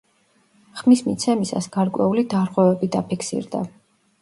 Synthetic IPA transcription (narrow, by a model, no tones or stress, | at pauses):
χmismḭt̪sʰɛmisa̰sɡ̥aɾkʼwɛulid̪aɾʁwɛvɛbid̪apʰikʰsḭɾd̪a̰